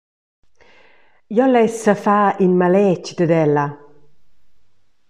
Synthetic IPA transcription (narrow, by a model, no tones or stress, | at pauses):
jɔlɛsəfaːinmalɛt͡ʃd̪əd̪ɛlːa